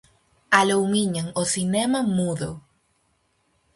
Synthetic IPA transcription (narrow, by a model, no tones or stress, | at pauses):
alowmiɲaŋosinɛmɐmuðo